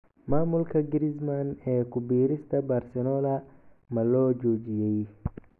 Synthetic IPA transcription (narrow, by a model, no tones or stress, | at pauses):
maːmʊlkʰɐɡɪɾɪsmanɛːkʰʊbiːɾɪst̪ʰɐbɐrsɛnɔːlɐ | mɐlɔːd͡ʒɔːt͡ʃɪjɛj